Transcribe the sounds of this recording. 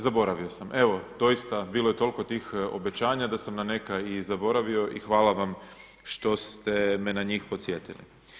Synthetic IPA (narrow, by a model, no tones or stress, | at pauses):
zabo̞ɾaʋio̞same̞ʋo̞d̪o̞jist̪abiːloje̞t̪o̞lko̞t̪iːxo̞̰be̞t͡ɕaːɲad̪asamnane̞kajizabo̞ɾaʋio̞ʔixʋaːlaʋam | ʃt̪o̞st̪e̞menaɲiːxpo̞t̪sje̞t̪ilḭ